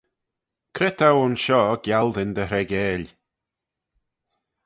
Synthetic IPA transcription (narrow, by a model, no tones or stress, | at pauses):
kʰɾɛt̪ʰawʊnʃɔːɡ̥jalˠd̪ɪnd̪əɦɾɛɡeːlʲ